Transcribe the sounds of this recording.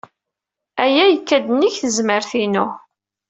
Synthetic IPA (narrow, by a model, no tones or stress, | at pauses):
æjæjəkːæd̪əniçθəzməɾθinʊ